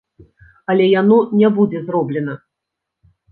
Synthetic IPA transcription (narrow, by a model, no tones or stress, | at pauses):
ɐlʲɛjanɔnʲɛbud͡zʲɛzrɔblʲɛnɐ